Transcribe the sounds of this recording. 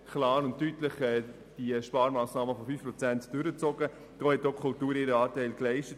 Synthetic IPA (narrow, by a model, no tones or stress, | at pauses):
kʰlɑːɾʊntːytləχɛː | d̥iʃpɑːɾmaːsnɑːməfɔfyːfpɾɔt͡sɛntd̥ʏɾət͡sɔɡə | d̥oːhɛt̚okʰʊltuːɾɪːɾəɑːtɛɪlklɛɪʃtət